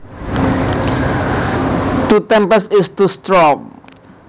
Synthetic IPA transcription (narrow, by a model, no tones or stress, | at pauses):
t̪ut̪ɛmpəsɪst̪ust̪ɾɔŋ